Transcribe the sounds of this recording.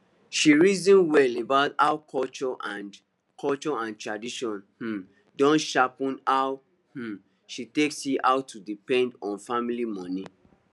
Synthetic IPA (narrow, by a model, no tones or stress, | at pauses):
ʃiɹizĩnwɛlebaʊtaʊkʰɔlt͡ʃɔʔãn | kʰɔlt͡ʃɔãntʰɹadiʃɔ̃nh̩ | dɔ̃nʃapɔ̃naʊ | h̩ | ʃitekshiʔaʊtʰudipɛ̃ndɔ̃nfamilimɔni